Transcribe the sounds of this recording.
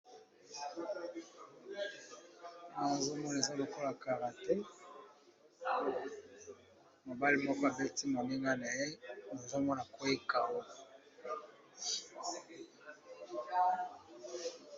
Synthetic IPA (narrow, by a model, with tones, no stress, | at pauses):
na˨zo˦mɔ˦n˨e˨za˦lo˨ko˦la˨ka˨ʁa˨tɛ˦ | mo˨ba˦li˦mo˦ka˨be˦ti˦mo˨ne˦ŋɡa˦na˨e˦na˨zo˦mɔ˦na˨ko˦e˦ka˨wo˦˨